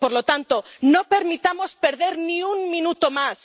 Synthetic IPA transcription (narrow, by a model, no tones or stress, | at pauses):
poɾlot̪ant̪onope̞ɾmit̪amo̞spe̞ɾðe̞ɾnĩuŋmĩnut̪omas